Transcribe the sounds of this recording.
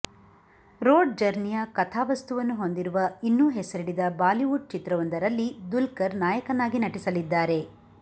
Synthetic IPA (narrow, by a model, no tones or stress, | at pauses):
ɾoːɖd͡ʒɐɾnijɐkɐt̪ʰaːʋɐst̪uʋɐnːuɦo̞nd̪iɾuʋɐinːuːɦɛsɐɾiɽid̪ɐbaːliʋuɖ̚t͡ʃit̪ɾɐʋɐnd̪ɐɾɐlːid̪ulkɐɾnaːjɐkɐnːaːɡinɐʈisɐlid̪ːaːɾe̞